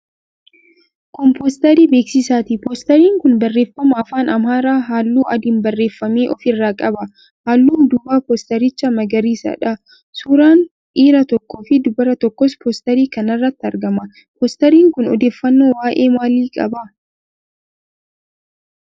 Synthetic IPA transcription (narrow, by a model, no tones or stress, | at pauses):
kɔmpost̪ɐɾiːbe̞ːksɪsaːt̪ipoːst̪ɐɾiːŋkʊnbɐrːeːfːɐmɐɐfaːnɐmaːɾaːɦaːlːuːʔɐd̪ɪnbɐrːe̞ːfːɐmeːʔɔfɪrːaːkʼɐbɐ | haːlːuːd̪ʊbaːpost̪ɐɾɪt͡ʃːɐmɐɡɐɾiːsɐ̰ᶑɐ | suːɾaːn | ʔiːɾɐt̪ɔkːoːfɪd̪ʊbɐɾɐt̪ɔkːɔspʰoːst̪ɐɾiːkɐnɐrːɐt̪ːɪɐɾɡɐmɐ | pɔst̪ɐɾiːŋkʊnɔ̰d̪e̞ːfːɐnːo̞ːwaːʔe̞ːmaːliːkʼɐ̰bɐ